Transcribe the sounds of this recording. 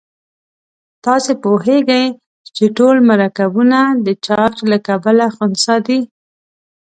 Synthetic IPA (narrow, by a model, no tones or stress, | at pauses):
t̪ɑsepoheɡəj | t͡ʃeʈolmaɾakabunad̪ət͡ʃɑɾt͡ʃlakabalaxʊnsɑd̪i